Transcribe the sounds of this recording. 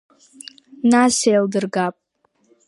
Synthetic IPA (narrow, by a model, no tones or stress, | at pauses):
nasejldɨrɡapʼ